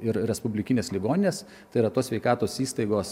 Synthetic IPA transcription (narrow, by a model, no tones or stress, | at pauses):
ɪɾɾʲɛspʊbʲlʲɪkʲɪnʲeːslʲɪɡoːnʲɪnʲeːs | t̪ɐɪɾɐt̪oːsʲʋʲɛɪkɑːt̪oːsiːst̪ɐɪɡoːs